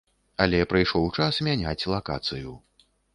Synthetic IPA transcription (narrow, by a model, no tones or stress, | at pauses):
ɐlʲɛpɾɨjʂɔwt͡ʂasmʲanʲat͡sʲlˠaka̰t̪sɨju